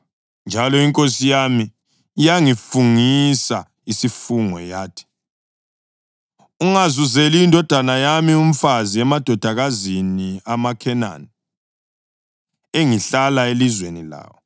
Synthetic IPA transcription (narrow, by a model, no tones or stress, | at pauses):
nd͡ʒʱalɔiŋkʼosijami | jaŋifuŋisa | isifuŋɔ̰jaːtʰi̥ | uŋazuzeliːndʱɔd̥ʱanajamium̩faziɛmad̥ʱɔd̥ʱaɣaziniamakʰɛna̰ni | eŋiɬalaelizwenila̰ːwɔ